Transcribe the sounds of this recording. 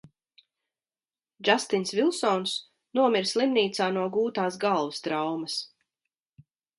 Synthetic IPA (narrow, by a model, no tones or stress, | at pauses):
d͡ʒast̪inʲsvilˠsɔns | nuɔmiɾslˠimniːt̪saːnuɔɡuːt̪aːsɡalˠvst̪ɾawmɐs